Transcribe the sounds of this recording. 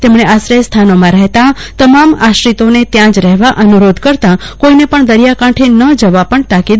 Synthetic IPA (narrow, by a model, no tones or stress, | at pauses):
t̪emɳeasɾəjst̪ʰanomãɾɛɦt̪at̪əmamaʃɾit̪onet̪jãd͡ʒɾɛɦʋaʔənuɾod̪ʱkəɾt̪ãkoinepəɳd̪əɾijakãʈʰenəd͡ʒəʋapəɳt̪akid̪